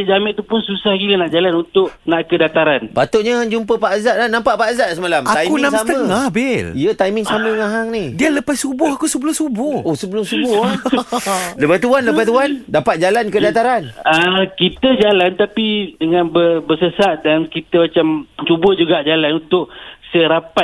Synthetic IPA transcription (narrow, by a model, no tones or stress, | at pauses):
əd͡ʒamɪʔt̪upʊnsusahɡilənaʔd͡ʒalanunt̪ʊʔnaʔkədat̪aɾanpat̪ʊʔɲəd͡ʒumpəpaʔazaʔlanampaʔpaʔzaʔsəmalamat̪aiunamsasmt̪əŋahbɪliət̪ajmɪŋsaməŋaɦaŋnihdiələpasubʊhakusubəlʊsubʊhosəbəlʊmsubbʊha | ləbat̪uanləbat̪uandapat̪̚d͡ʒalankədat̪aɾanəkit̪əd͡ʒalant̪apidəŋãnbərbərsəsaʔ̪̚dankit̪əmat͡ʃamt͡ʃubəd͡ʒuɡaʔd͡ʒalanunt̪ʊʔsəɾapat̪̚